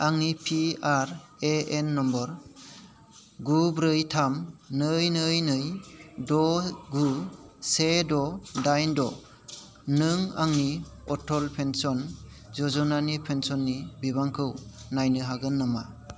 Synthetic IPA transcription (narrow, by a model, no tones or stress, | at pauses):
aŋnipʰiaɾeenːɔmbɔɾ | ɡubɾɯjtʰamnɯjnɯjnɯjdɔɡusedɔdajndɔ | nɯŋaŋni | ɔtʰɔlpʰensɔn | zɔzɔnanipʰensɔnːibiβaŋkʰɯw | najnɯɦaɡɯnːɯma